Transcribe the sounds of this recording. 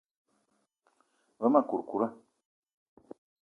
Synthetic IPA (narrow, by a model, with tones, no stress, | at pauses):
və˦ma˦˨ku˨ɾku˨ɾa˦